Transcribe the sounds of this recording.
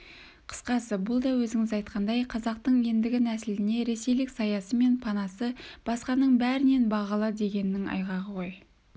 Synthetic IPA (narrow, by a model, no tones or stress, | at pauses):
qʰə̥sqɑsəbʊlˠd̪ɑwɵzɪŋɪzɑjt̪qʰɑnd̪ɑjqʰɑzɑqt̪əɴe̞nd̪ɪɡʲɪnæsɪld̪ɪne̞ɾe̞se̞jlɪksɑjɑsəme̞npʰɑnɑsəb̥ɑsqɑnəɴbæɾɪne̞nbɑʁɑlˠəd̪e̞ɡʲe̞nɪːɪŋɑ̰jʁɑʁəʁo̞j